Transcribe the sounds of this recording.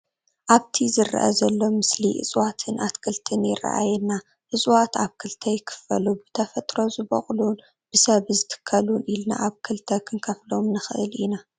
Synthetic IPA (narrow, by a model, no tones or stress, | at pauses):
ʔaβt̪ʰizɨra̰ʔɐ̰zɐlːo̞mɨsliʔɨ̰sʼwat̪ʰɨnʔat̪kʰɨlt̪ʰɨnjɪ̰ra̰ʔa̰jɛnːa | ʔɨsʼwat̪aβkʰɨlt̪ʰɐjɪkʰɨ̥fɐ̰lubɨt̪ʰɐfɐt̪ʼɾo̞zɨbɐ̰χʼlun | b̥ɨsɐβzɨt̪ʰɨ̥kʰːɐlunilna̰ʔaβkʰɨlt̪ʰɐkʰɨnkʰɐflomnɨxɨʔɨ̰lina